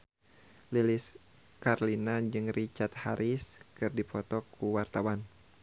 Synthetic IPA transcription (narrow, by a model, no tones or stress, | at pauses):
lilis | karlinad͡ʒɨŋrit͡ʃat̪̚ha̰ɾʔiskɨrdipʰɔt̪ɔkuwart̪awan